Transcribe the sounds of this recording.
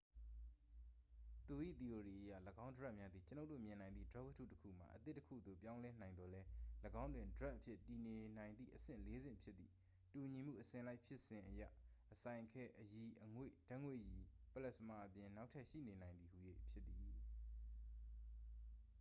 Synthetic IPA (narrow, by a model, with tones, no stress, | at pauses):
t̪u˨ʔḭ˦˨t̪i˨ʔo˨ɾi˨ʔəjä̰˦˨ləɡã˦ʊ̃ndəɹɛ˦ʔmja˦d̪i˨t͡ɕəno˦ʊtːo̰˦˨mjɪ̃˨nã˨ɪ̃d̪ðḭ˦˨dəɹɛ˦wə˦tʰṵ˦˨təkʰṵ˦˨m̥a̰˨ʔət̪ɪ˦tːəkʰṵ˦˨d̪o̰˦˨pjã˦ʊ̃lɛ˦nã˨ɪ̃nd̪ɔ˨lɛ˦ləɡã˦ʊ̃ndwɪ̃˨ndəɹɛ˦ʔəpʰjɪ˦˨ti˨ne˨n̥ã˨ɪ̃nd̪ðḭ˦ʔəsɪ̰̃˦˨le˦zɪ̰̃˦˨mpʰjɪ˦t̪̚ːḭ˦˨ | tu˨ɲi˨m̥ṵ˦˨ʔəsɪ̃˨la˦ɪʔpʰjɪ˦ʔsɪ̃˨ʔəjä̰˦˨ʔəsã˨ɪ̃ʔkʰɛ˦ʔəji˨ʔəŋwḛ˦˨d̥ã˦ʔŋwḛ˦˨ji˨pəlɛ˦ʔsəma˨ʔəpjɪ̃˨na˦ʊʔtʰːɛ˦ʔʃḭ˦˨ne˨nã˨ɪ̃nd̪ði˨hu˨jḛ˦˨pʰjɪ˦t̪t̪ːi˨